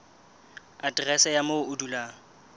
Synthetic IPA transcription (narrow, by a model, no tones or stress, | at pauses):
adrɛsɛjamoʊdulaː